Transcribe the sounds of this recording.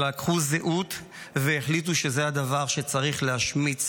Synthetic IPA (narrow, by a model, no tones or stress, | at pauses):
lakχuzeʔut | veːχlit̬uʃe̞zead̪avaʁʃe̞t͡saʁiχlehaʃmi